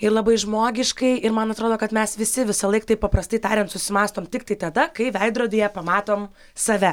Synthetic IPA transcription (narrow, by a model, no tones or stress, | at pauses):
ɪɾlˠɐbɐɪʒmoːɡʲɪʃkɐɪɪɾmɐnɐt̪ɾoːd̪oːkɐt̪mʲɛsʋʲɪsʲɪʋʲɪsɐlˠɐɪkt̪ɐɪpɐpɾɐst̪ɐɪt̪ɑːɾʲɛnt̪sʊsʲɪmɑːst̪oːmt̪ʲɪk̚t̪ɐɪt̪ɐd̪ɐkɐɪʋʲɛɪd̪ɾoːd̪ʲɪjɛpɐmɑːt̪oːm | sɐʋʲɛ